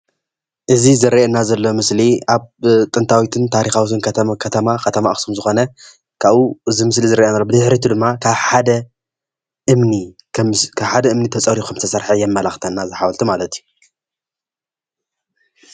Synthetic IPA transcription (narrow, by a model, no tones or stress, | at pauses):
ʔɨzizɨɾɐʔenːazɐlːo̞mɨsliaβt̪ʼɨnt̪ʰawit̪ʰɨnt̪ʰaɾixawit̪ʰɨnkʰɐt̪ʰkʰɐt̪ʰɐmakʰɐt̪ʰɐmaʔxsumzɨxo̞nɐ | kʰaβuɨzimɨs̬lizɨɾɐʔenalːobɨzɨħɾit̪ʰud̪ɨmːakʰaβħad̪ɐ | ʔɨmni | kʰaβħad̪ɐʔɨmnit̪ʰɐt͡sʼɐɾikʰɐmt̪ʰɐsɐɾħɐjɛmːɐlaxt̪ʰɐnːazɨħawɐlt̪ʰumalɐt̪ʰju